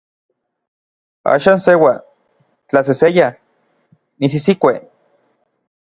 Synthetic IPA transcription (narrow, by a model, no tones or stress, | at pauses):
a̰ːʃaːnsewa | t͡ɬas̬eseja | nis̬isikʷe